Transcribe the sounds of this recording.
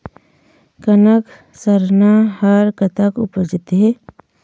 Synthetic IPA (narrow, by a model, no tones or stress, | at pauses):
kənək | səɾnahəɾkət̪ʰəkʊpəd͡ʒɪt̪ɦɛ